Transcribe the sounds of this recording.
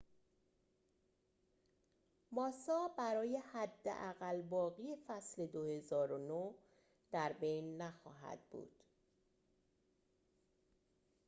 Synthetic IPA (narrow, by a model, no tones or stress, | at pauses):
mɒːsɒːbæɾɒːje̞hæd̪ːḛʔæɣælbɒːɣiːe̞fæsle̞d̪ohe̞zɒːɾono | d̪̥æɾbe̞jnːæxɒ̰ːɦæ̰d̪bṵːd̪̥